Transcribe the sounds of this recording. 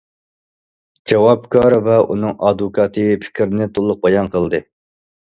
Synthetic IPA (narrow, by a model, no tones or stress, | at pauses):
d͡ʒɑwɑp̚kʰɑɾvɛunɨŋɑd̪ukʰɑːt̪ʰɨpʰɪ̥kʲɾnɪt̪ʰolˠːʊq̚bɑjɑnqʰəlˠd̪ɨ